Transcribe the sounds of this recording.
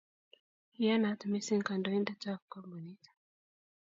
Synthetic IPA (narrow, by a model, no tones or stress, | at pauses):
ijanat̪misiŋkandɔindat͡ʃakkɔmbɔnitḁ